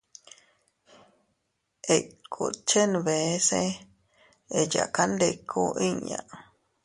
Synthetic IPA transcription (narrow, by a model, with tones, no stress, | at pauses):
e˨kʰu˨t͡ʃe˦nβe˨˦se˦ | e˨ja̰˨ka˦nd̪e˧˨kʰu˦ʔi˦ɲã̰˨